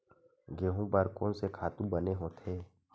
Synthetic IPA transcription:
ɡeːɦũbəɾkõːnsekʰaːt̪ũbəneɦõːt̪ʰeː

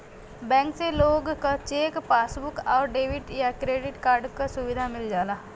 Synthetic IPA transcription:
bɛ̃ːŋkseloːɡkat͡ʃeːkpaːsbʊkɔːɾɖeːʋɪʈjakɾeːɖɪʈkaːɾɖkasʊʋɪd̪ʱamɪld͡ʒaːlaː

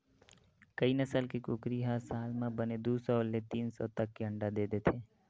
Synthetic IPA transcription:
kəinəsəlkekʊkɾiɦasaːlmãbəned̪uːsɔlːet̪iːnsɔt̪əkːeə̃ɳɖad̪eːd̪eːt̪ʰeː

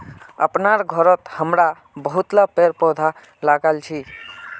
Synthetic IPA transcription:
ə̰pnaɾɡʱəɾət̪həmɾa | bəɦut̪lapeɾpɔd̪ʱa | laɡalt͡ʃʰi

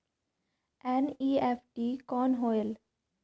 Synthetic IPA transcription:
ɛ̃niːefʈiːkɔ̃ːnɦɔːɪəl

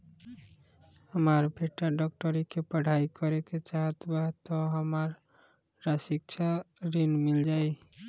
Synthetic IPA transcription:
həməɾbʱeʈːaɖɔk̚ʈəɾikepəɽ̤ʱaikəɾeket͡ʃaɦət̪bat̪ːɔɦəməɾ | ɾasik̚t͡ʃʰaɾinmild͡ʒaj

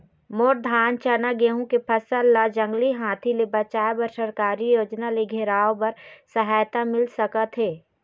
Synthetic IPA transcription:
moːɾd̪ʱaːnt͡ʃənaɡeːɦũkepʰɐsəlːad͡ʒə̃ŋɡliɦãːt̪ʰilebɐt͡ʃaːjbəɾsəɾkaːɾijoːd͡ʒnaleɡʱeɾaːobɐɾsɐɦaːjt̪amɪlsəkat̪ʰɦeː

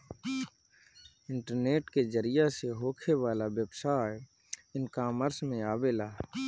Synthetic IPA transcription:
ɪ̃ɳʈəɾneːʈked͡ʒəɾijaseɦoːkʰeʋaːlaʋjəbsaːj | ɪnkaːməɾsmẽaːbelaː

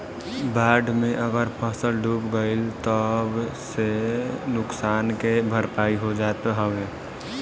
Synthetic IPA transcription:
baːɖmẽʔəɡəɾpʰəsəlɖuːpɡəɪlt̪əbsenʊksaːnkebʱəɾpaːiɦod͡ʒaːt̪ɦɔɡe

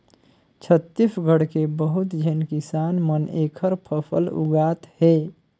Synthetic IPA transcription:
t͡ʃʰət̪ːisɡʱəɽkebəɦut̪d͡ʒʱenkisanmənekʰəɾpʰəpʰə̰lṵɡat̪he

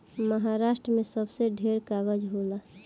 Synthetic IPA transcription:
məɦaɾasʈɾəmẽsəbseɖʱeɾkaɡəd͡ʒɦola

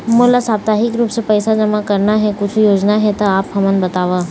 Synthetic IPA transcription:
moːlasaːb̚t̪aːɦɪkɾuːpsepɛːsad͡ʒɐmakɐɾnaɦɛkʊt͡ʃʰjoːd͡ʒnaɦɛt̪oaːpɦɐmənbɐt̪aːʋaː

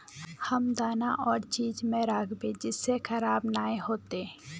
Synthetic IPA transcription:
hɐmd̪aːnaʔɔːɾt͡ʃiːd͡ʒmẽɾaːkʰbẽd͡ʒɪsːexəɾaːbnaːeɦoːt̪e

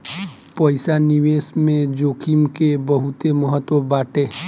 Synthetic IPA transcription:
pəɪsaniʋeːsmẽd͡ʒoːkʰimkebəɦʊt̪eməɦət̪wəbaːʈe

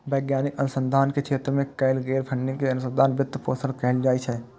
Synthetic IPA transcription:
bɛːɡjaːnɪkɐnʊsə̃nd̪ʱaːnkekʰeːt̪ɾəmẽkɐɪlɡeːɾpʰɐ̃ɳːɪ̃ŋkeɐnʊsə̃nd̪ʱaːnbɪt̪ːpoːsəɽkɛɦɪld͡ʒaːit͡ʃʰɛ

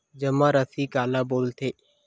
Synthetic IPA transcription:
d͡ʒəmãːɾəsiːkaːlaːboːlt̪ʰeː

